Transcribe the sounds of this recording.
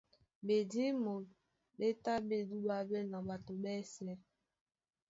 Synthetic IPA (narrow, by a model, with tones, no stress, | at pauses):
be˨di˦mo˨ | be˦ta˦be˦˨du˦ba˦be˦na˨ba˨to˨bɛ˦sɛ˦